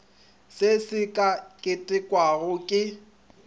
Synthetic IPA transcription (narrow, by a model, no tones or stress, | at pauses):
sɪsɪkʼakʼɪtʼɪkʼwaɣʊkʼɪ